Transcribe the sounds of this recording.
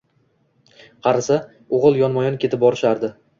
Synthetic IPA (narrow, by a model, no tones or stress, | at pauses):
qʰɑɾasa | oʁɨlˠjɒnmɒjɒnkʲet̪ɪp̚bɒɾɪʃaɾd̪ɪ